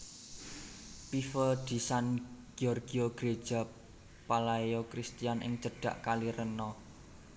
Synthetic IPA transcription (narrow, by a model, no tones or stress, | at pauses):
pifəd̪̥i̤sanɡ̥iɔrɡ̥iɔɡ̥ɾed̥ʒ̥a̤ | palajokɾist̪ijanʔɪ̰ŋt͡ʃəɖ̥ä̤ʔkaliɾənɔ